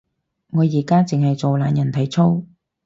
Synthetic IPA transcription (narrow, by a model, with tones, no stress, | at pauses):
ŋɔː˨˧jiː˨˩kaː˥t͡sɪ˨ŋhɐ˨jt͡so˨wlaː˨˧njɐ˨˩nt̪ʰɐ˨˩jt͡sʰo˥w